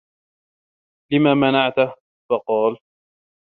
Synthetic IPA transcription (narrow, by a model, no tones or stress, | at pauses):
lɪmaːmanaʕt̪ | fɑqɑːl